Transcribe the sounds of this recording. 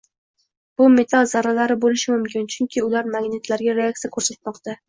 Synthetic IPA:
b̥ʊme̞t̪ʰalˠzaɾalaɾɪbolɪʃɪmʊmkʲɪnt͡ʃʰʊŋkʲʰɪʊlaɾmaɡnet̪ʰlaɾɡʲaɾeak̚t̪sijakʰɵɾsat̪̚mɒqt̪a

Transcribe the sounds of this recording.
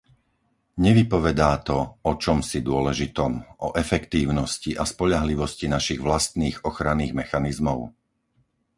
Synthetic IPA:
ɲɛʋipɔʋɛd̪aːt̪ɔɔt͡ʃɔmsid̪ʊɔlɛʒit̪ɔmʔɔʔɛfɛkt̪iːʊnɔsciʔaspɔʎaɦliʋɔscinaʃiɣʋlast̪niːɣɔxɾaniːɣmɛxanizmɔʊ

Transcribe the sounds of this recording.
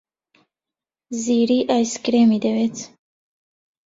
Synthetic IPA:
ziɾiʔajskɾemid̪ewet͡s

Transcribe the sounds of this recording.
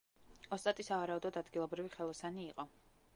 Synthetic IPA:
ɔst̪ʼat̪ʼisavaɾaud̪ɔd̪ad̪ɡilˠɔbɾiviχɛlˠɔsaniːqʼɔ

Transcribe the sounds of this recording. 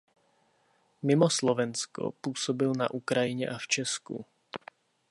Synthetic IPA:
mɪmoslovɛnsko̰puːsobɪlna̰ʔukɾajɪɲɛ̰ʔaft͡ʃɛskṵ

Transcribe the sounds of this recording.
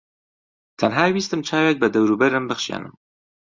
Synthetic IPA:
t̪ʰɐnɦaːwiːst̪ɨmt͡ʃʰaːweːt̪̚bɐd̪ɐwɾuːbɐɾɨmbɨxʃja̰ːnɨ̰m

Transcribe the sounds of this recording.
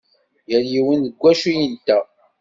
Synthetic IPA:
jæljiwənðəɡʷːæʃujənt̪ːæ

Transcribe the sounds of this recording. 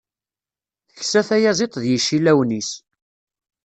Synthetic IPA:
θəçsæθæjæzɪt̪ˤðjiʃːilæwnis

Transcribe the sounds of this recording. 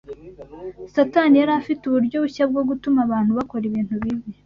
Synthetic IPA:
satanijaɾafituβuɾɟo̞uçab̚ɡo̞ɡutumaβaːn̥huβako̞ɾiβiːnhuβiβi

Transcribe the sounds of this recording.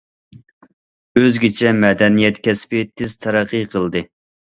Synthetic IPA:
øzɡʲit͡ʃʰɛmɛd̪ɛnijɛt̪kʲɛspɪt̪ʰɪz̥t̪ʰɛɾɑqːəjqʰəlˠd̪ɨ

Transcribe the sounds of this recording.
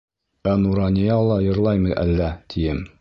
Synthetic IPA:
ænuɾɑnʲijɑlˠɑjɤ̆ɾlˠɑjmɤjʔæ̰lːæt̪ʰijɘm

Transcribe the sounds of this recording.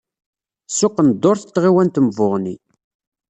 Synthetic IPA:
sʊqːənd̪ːoɾθət̪ːʁiwænt̪əməvʊʁnḭ

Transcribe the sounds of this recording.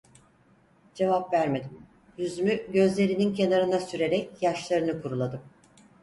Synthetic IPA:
d͡ʒe̞vapvæɾme̞d̪im | jyzymyɟø̞zlʲe̞ɾinincʰe̞naɾɯnasyɾe̞ɾɛcjaʃlˠaɾɯnɯkʰuɾulˠad̪ɯm

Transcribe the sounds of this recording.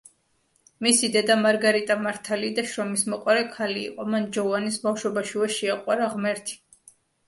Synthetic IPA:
misid̪ɛd̪amaɾɡaɾit̪ʼamaɾt̪ʰalid̪aʃɾɔmismɔqʼwaɾɛkʰalḭːqʼɔmand͡ʒɔvanisbafʃwɔbaʃivɛʃiaqʼwaɾaʁmɛɾt̪ʰi̥

